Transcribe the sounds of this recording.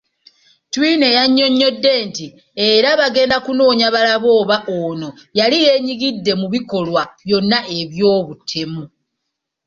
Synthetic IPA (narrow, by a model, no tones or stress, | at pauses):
twine̞jaɲːo̞ɲːo̞dːe̞ːnti | eɾaβaɡe̞ːndakuno̞ːɲaβalaβo̞ːβaʔoːno̞jalije̞ɲiɡidːe̞muβiko̞lwaβjo̞nːaʔe̞βjo̞ːβutʰe̞mu